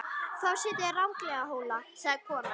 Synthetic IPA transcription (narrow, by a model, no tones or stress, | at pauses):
θawsɪːt̪ɪrawŋklɛɣaɦoːwlasɛɣðkʰɔːna